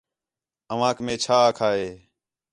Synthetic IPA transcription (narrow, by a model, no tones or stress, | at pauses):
əʋãːkmẽːt͡ʃʰaːkʰaːɦeː